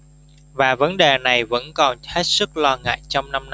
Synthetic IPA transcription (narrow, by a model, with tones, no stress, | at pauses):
vaː˨˩və˨˦nɗe˨˩na˨˩jvə̰˧˥nkɔ˨˩nhe˦˥t̚sɨ˦˥k̚lɔ˧ŋa̰ː˧˨jt͡ɕɔ˧wŋ͡mna˧mn˧